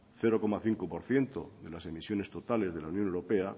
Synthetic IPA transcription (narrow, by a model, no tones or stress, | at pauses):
θe̞ɾoko̞maθiŋkopo̞ɾθje̞nt̪oðe̞lase̞misjo̞ne̞st̪o̞t̪ale̞zð̞e̞launjõnewɾo̞pea